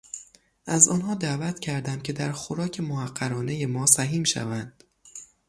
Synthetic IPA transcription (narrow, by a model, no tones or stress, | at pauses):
ʔæzɒ̰ːnɦɒːd̪æːvæt̪ʰcʰæɾd̪æmcʲʰe̞d̪æɾxoɾɒːcʰe̞mohæɢːæɾɒːnejemɒːsæɦiːmʃæ̰vænd̪̥